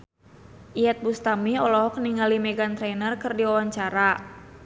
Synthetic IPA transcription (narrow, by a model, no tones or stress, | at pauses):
ʔiɛt̪̚bust̪amiɔlɔɦɔkniŋalimɛɡant̪ɾɛnərkɨrdiawaɲt͡ʃaɾa